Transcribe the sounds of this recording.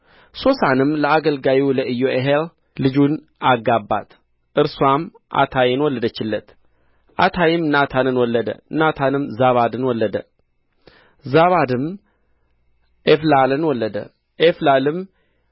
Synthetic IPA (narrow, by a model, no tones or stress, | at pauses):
so̞sanɨmləaɡəlɡawiləʔɨjːoʔeɦel | lɨd͡ʒun | ʔaɡabːa̰t̪ | ʔɨɾswam | ʔa̰t̪ʰajɪnwɔlːəd̪ət͡ʃːɪlːət̪ | ʔa̰t̪ʰajɪmnat̪ʰanɨnwɔlːəd̪ə̰ɨnat̪ʰanɨmzaβad̪ɨnwɔlːəd̪ə | zaβad̪ɨm | eflalɨnwɔlːəd̪ə̰ | ʔeflalɨm